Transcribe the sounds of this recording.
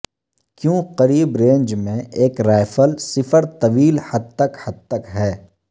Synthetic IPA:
kjõːqɐɾiːbɾẽːɲd͡ʒmẽʔeːkɾaːɪfəlsɪfəɾt̪ɐʋiːlhɐd̪̚t̪ɐkhɐd̪̚t̪ɐkɦɛː

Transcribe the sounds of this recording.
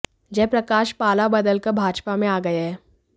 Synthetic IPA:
d͡ʒɛːpɾɐkaːʃpaːlabɐd̪əlkəɾbʱaːd͡ʒpamẽaːɡɐeɦɛː

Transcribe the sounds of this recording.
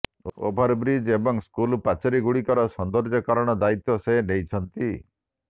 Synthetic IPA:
o̰bʱaɾbɾid͡ʒebɔŋskulpat͡ʃɔɾiɡuɽikɔɾɔsɔnd̪ɔɾd͡ʒɔkaɾɔɽ̃ɔd̪ait̪ːɔsenejt͡ʃʰɔnt̪i

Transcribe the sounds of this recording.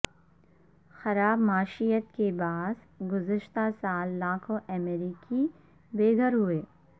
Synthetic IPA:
xɐɾaːbmaːʃijət̪̚kebaːs | ɡʊzəʃt̪asaːlːaːkʰõʔɛmeːɾiːki | beːɡʱəɾɦʊeː

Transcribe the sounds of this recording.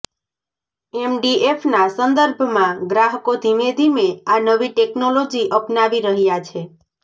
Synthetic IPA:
emɖiefnasənd̪əɾbʱmãɡɾaɦəkod̪ʱimed̪ʱimeanəʋiʈeknolod͡ʒiʔəpnaʋiɾəɦjat͡ʃʰe

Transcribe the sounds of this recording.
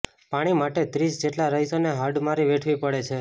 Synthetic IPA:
paɽ̃imaʈet̪ɾisd͡ʒeʈlaɾəɦisoneɦaɖmaɾiʋeʈʰʋipəɽet͡ʃʰe

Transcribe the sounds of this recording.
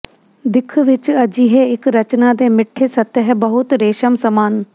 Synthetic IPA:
d̪ɪkʰʋɪt͡ʃəd͡ʒiːɦɛːɪkɾət͡ʃnaːd̪eːmɪʈʰːeːsət̪ːɦɛbəɦʊt̪ɾeːʃəmsəmaːn

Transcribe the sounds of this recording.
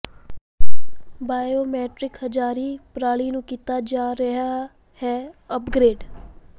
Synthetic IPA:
baːjoːmɛːʈɾɪkhəd͡ʒaːɾiːpɾaːɭiːnũːkit̪aːd͡ʒaːɾəɦa | hɛːəpɡɾeːɖ

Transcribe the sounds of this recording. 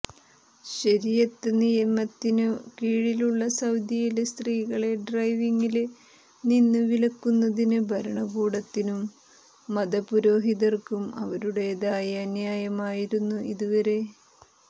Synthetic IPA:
ɕɐɾijɐt̪ːenijɐmːɐt̪ːinukiːɻiluɭːɐsɐwd̪jɐjilest̪riːɣɐɭe̞ɖrɐjʋiŋːil | ninːɨʋilɐkːunːɐðinɨbʱɐɾɐɳɐɡuːɽɐt̪ːinumː | ɐd̪ɐpuɾo̞ːɦiðɐrkumɐ̰ʋɐɾuɽe̞ːðaːjɐɐnjaːjɐmaːjiɾunːuiðuʋɐɾe̞

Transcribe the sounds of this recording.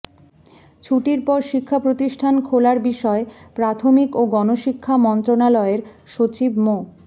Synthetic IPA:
t͡ɕʰuʈiɾpɔɾʃikʰːapɾot̪iʃʈʰankʰolaɾbiʃɔepɾat̪ʰomikoɡɔnoʃikʰːamɔnt̪ɾonalɔeɾʃot͡ɕibmo

